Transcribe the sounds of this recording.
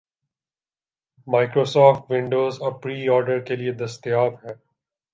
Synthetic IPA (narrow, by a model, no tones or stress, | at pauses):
maːɪkɾoːsɔːfʈʋɪ̃ɳɖoːzɔɾpɾiːɔːɾɖəɾkelied̪ɐst̪jaːbɦɛː